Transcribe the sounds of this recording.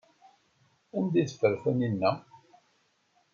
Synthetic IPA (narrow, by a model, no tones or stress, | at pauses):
ænd̪iθfəɾfæninːæ